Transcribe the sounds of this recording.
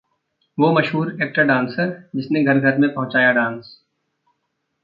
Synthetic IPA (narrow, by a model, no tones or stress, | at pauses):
ʋoːmɐʃɦuːɾeːk̚ʈəɖãːnsəɾd͡ʒɪsnẽɡʱɐɾɡʱɐɾmẽpɐ̃ɦʊ̃t͡ʃaːjaɖãːns